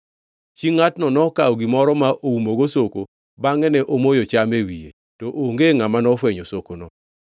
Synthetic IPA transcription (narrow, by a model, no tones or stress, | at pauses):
t͡ʃiŋːatnɔnɔkaɔɡimɔɾɔmaʔʔoumoɡosoko | baŋɛnɛʔomojot͡ʃamewijḛ | toʔoŋɡeŋamanɔfweɲosokonɔ